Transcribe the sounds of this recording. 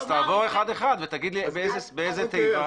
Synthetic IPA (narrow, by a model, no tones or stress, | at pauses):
z̥t̪aːvo̞ʁeχad̪eχad̪vet̪aɡid̪libeezebeejzet̪ejfa